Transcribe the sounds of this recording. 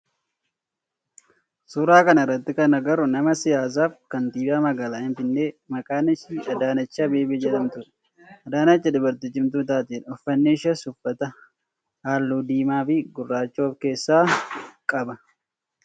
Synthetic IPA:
suːɾaːkɐnɐɪrːɐt̪ːɪkɐnɐɡɐɾʊnɐmɐsɪjaːs̬aːfkɐnt̪iːbaːmɐɡaːlaːhɪnfɪnːe̞ːmɐkʼaːnɪʃiːɐd̪aːnɐt͡ʃːaːbe̞ːbɪd͡ʒɛt̪ɐmt̪ʊᶑ̥ | ɐd̪aːnɐt͡ʃːɐd̪ʊbɐɾt̪ɪd͡ʒɪmt̪̬ʊːt̪̬aːt̪iːnɔfːɐnːeːʃɐsʊfːɐt̪ɐ | haːlːuːd̪iːmaːfɪɡʊrːaːt͡ʃːoːfke̞ːsːaːkʼɐbɐ

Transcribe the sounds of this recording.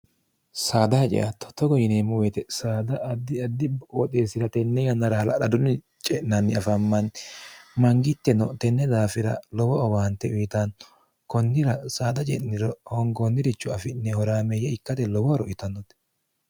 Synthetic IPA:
saːd̪ɐhɐt͡ʃʼɛ̰ʔɐt̪ːɔ̥t̪ːɔɡɔjɪneːmːʊwet̪ɛsaːd̪ɐɐd̪ɪɐd̪ɪɔt̪ʼeːsɪɾɐt̪ɛnːɛjɐnːɐɾɐhɐlɐ̰ɗɐd̪ʊnːɪ | t͡ʃʼɛʔnɐnːɪɐfɐmːɐn | mɐŋɡɪt̪ːɛnɔt̪ɛnːɛd̪aːfɪɾɐlɔwɔɔbant̪ːɛʔʊjɪt̪an | kɔnːɪɾɐsaːd̪ɐt͡ʃʼɛ̰ʔnɪɾɔhɔŋɡɔnːɪɾɪt͡ʃːʊɐfɪnːɛhɔɾaːmɛjɛɪkːɐt̪ɛlɔwɔɔɾɔʔɪt̪ɐnːɔt̪ɛ

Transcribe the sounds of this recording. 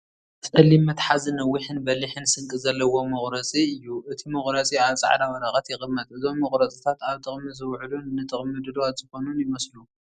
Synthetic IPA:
t͡sʼɐlimːɐt̪ħazɨnɐwːiħɨnbɐliħɨnsɨŋkʼɨzɐlːɐwo̞mɐxɾɐt͡sʼiɨjːuʔɨt̪ʰimɐxʼɾɐt͡sʼiaβt͡sʼa̰ʕd̪awɐɾɐxʼɐt̪jɪxʼɨmːɐt̪ʼɨzo̞mːɐχʼɾɐt͡sʼit̪ʰat̪aβt̪ʼɨχʼmɨzɨwʕlunnɨt̪ʼɨχʼmɨd̪ɨlwat̪z̥ɨxo̞nunjɪmɐslu

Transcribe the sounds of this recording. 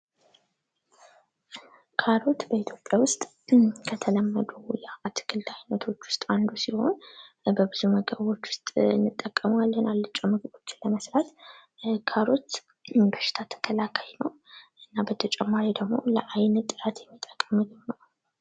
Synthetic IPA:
kʰaɾo̞t̪bəit̪ʰjo̞pʼjawʊst̪ʼ | kʰət̪ʰələmːəd̪ujɛat̪ʰɨ̥kʰɨld̪ajnət̪ʰo̞t͡ʃːwʊ̥st̪ʼand̪usiho̞̰nbəbɨzuməɡəβo̞t͡ʃːwʊ̥st̪ʼɨnːɨt̪ʼːəkʼːəmalːənalːɨt͡ʃʼːomɨɡɨbo̞t͡ʃːɪnləməsɾat̪ | kʰaɾo̞t̪ | bəʃɪ̥t̪ʰat̪ʰə̥kʰəlakʰajnəwʔɨnːabət̪ʰət͡ʃʼɛmːaɾid̪əɡmo̞̰ləʔajnt̪ʼːɨɾat̪jɛmːit̪ʼːəkʼːəmːɨd̪ɨnə

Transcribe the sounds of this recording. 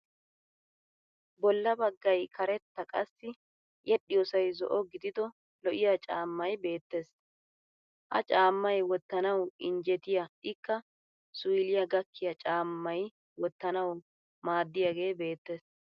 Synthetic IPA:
bɔlːɐbɐɡːɐjkʰɐɾɛt̪ːɐkʼɐsːɪ | jɛɗːɪjɔsɐjzɔ̰ʔɔɡɪd̪ɪd̪ɔ | lɔʔɪjat͡ʃʼaːmːɐjbe̞ːt̪ːe̞ːs | ʔɐ̰t͡ʃʼaːmːɐjwɔt̪ːɐnɐwɪnd͡ʒɛt̪ɪjɐɪkːɐ | sʊjlɪjɐɡɐkːɪjɐt͡ʃʼaːmːɐj | wɔt̪ːɐnɐw | maːd̪ːɪjaɡe̞ːbe̞ːt̪ːe̞ːs

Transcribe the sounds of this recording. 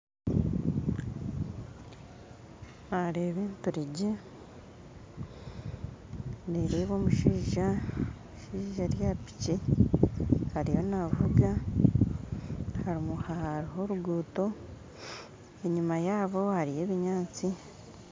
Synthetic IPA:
aɾeːβiːntuɾiɟe | neɾeβo̞ːmuʃiːʒa | ʃiːʒaɾjapi̥ci | haɾijo̞navuɡa | haɾimuhaaɾiɦo̞ɾuɡuːto̞ | e̞ɲimajaːβo̞haɾije̞ːβiɲaːt͡si

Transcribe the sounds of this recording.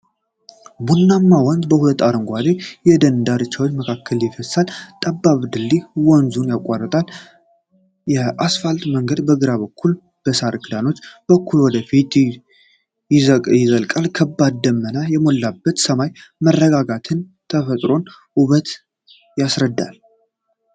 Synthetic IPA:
bunːamːawɔnd̪bəhulət̪ːaɾɨŋɡʷad̪ejɛd̪ənd̪aɾɨt͡ʃːawot͡ʃːməkʰakʰːəljɪfəsalt̪ʼəbːaβd̪ɨlːiwɔnzunjakʼːarːət̪ʼal | jɛʔasfalt̪ʼməŋɡəd̪bəɡɨɾaβəkʰːul | b̥əsaɾɨkʰɨd̪ano̞t͡ʃːb̥əkʰːulwɔd̪əfit̪ | jɪzəjɪzəlkʼalkʰəbːad̪̚d̪əmːənajɛmo̞lːabːət̪səmajmərːəɡaɡat̪ʰɨnt̪ʰəfət̪ʼɾo̞n | uβət̪ | jasɾəd̪ːa̰l

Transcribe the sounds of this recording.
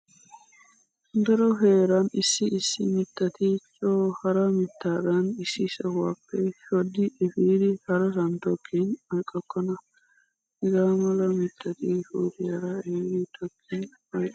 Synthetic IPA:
d̪ɐɾɔɦeːɾɐnɪsːɪʔɪsːɪmɪt̪ːɐt̪ʰɪt͡ʃʼoːhɐɾɐmɪt̪ʰːaːd̪ɐnɪsːɪsɐhʊwaːpːɛʃɔd̪ɪːfiːd̪ɪhɐɾɐsɐnt̪ɔkʰːinɐjkʼːɔkʼːɔnɐ | ɪɡaːmɐlɐmɪt̪ʰːɐt̪ifuːt̪ɪjɐɾɐeːɡ̪ɪt̪ʰɔkʰːin | ɐjʼ

